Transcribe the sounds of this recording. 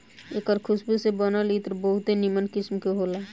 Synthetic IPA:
eːkəɾkʰʊsbesebɔnalit̪əɾbəɦʊt̪enimənkɪsmkeɦoːlaː

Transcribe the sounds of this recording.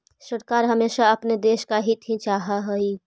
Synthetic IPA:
səɾkaːɾɦəmeːʃaɐpned̪eːʃkaɦit̪ɦĩt͡ʃaːɦaɦəi

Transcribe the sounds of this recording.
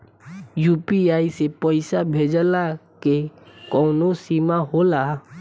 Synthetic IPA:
juːpiaːisepəɪsabʱeːd͡ʒəla | kekɔːnosimaɦoːlaː

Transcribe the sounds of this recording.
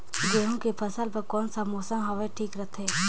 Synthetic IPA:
ɡeːɦõkepʰɐsəlpɐɾkɔːnsamɔːsəmɦɔʋɛʈʰiːkɾət̪ʰɛː

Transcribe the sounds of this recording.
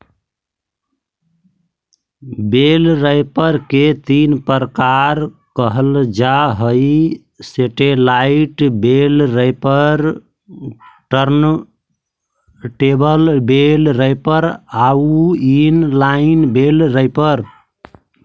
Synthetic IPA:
belɾəjpəɾket̪inpəɾəkaɾkəɦəld͡ʒaɦəj | seʈelaiʈbelɾəpəɾ | ʈəɾn | ʈebəlbelɾəjpəɾauinlainbelɾəjpəɾ

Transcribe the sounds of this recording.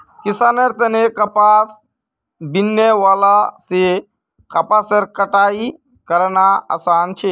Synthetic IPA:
kisaːnəɾt̪ənekɐpaːs | binːeʋaːlase | kɐpasəɾkəʈaːi | kəɾnaa̰saːnt͡ʃʰe

